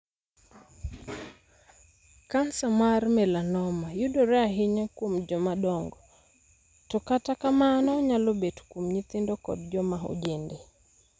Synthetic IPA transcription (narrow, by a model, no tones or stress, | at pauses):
kansamaɾmɛlanɔmajuɗɔɾɛaɦiɲakumd͡ʒɔmaɗɔŋɡɔ | tɔkatakamaːnaɔɲalɔbɛtu̥kumɲiθindɔkɔ̰dd͡ʒɔmaɦɔ̰d͡ʒɛndɛ